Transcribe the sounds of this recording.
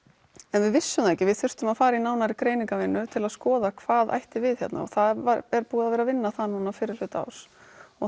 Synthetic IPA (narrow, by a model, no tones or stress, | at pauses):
ɛnvɪðvɪsːʏmθajhcɪvɪðθʏr̥t̪ʏmaðfaːɾainaːwnaɾɪkɾeːjniŋkavɪnːʏt̪ʰɪlaðskɔːðakʰv̥aːðʔa̰jht̪ɪvɪðçjɛ̰t̪na̰ɔ̰θaɛɾpuːðavɛɾavɪnːaθanuːnafɪɾɪɾ̥l̥ʏːt̪a̰wsɔ